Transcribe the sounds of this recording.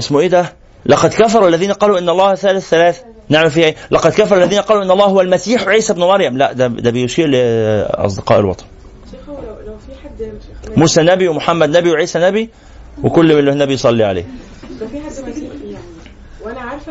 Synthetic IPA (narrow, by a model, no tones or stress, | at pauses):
ʔɪsmʊʔeːd̪æ | lɑqɑd̪kæf̬ɑɾˤualːæðiːnæqɑːluːʔɪnːɑlˤːɑːhθːæːlɪθːælæːθ | neʕmælfiːhʔeːlɑqɑd̪kæfɑɾˤuʔlːæðiːnæqɑːluʔɪnːɑlˤːɑːhhowælmæsiːħwʕiːsæbnʊmɑɾˤjæmlæʔd̪æd̪æbɪjʃiːɾlɪʔɑ̰s̬ˤd̪ɪqɑ̰ːʔḛlwɑ̰t̪ˤɑ̥n | muːsænæbiwemʊħamːæd̪næbiweʕiːsænæbi | wekʊlːmɪlːɪhnːæbijsˤɑlːiʕa̰lḛːh